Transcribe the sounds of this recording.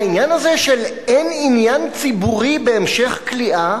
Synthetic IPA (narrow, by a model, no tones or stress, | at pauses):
injanazeʃel | eninjant͡sibuʁibe̞ːmʃe̞χkliʔa